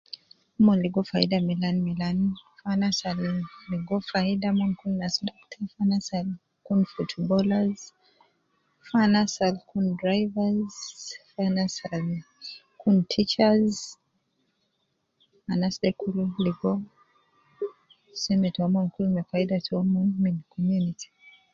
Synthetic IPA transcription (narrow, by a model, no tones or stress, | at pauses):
mɔnliɡɔfaḭdamilanmilanfanasalliɡɔfaidamɔnkunːasdɔktʰafanasal | kunfutbɔlaz | fanasalkundɾajvazfanasal | kuntʰit͡ʃaz | anasdɛkululiɡɔ | sɛmɛtɔmɔnkulmɛfaidatɔmɔmɛnkʰɔmjunitʰi̥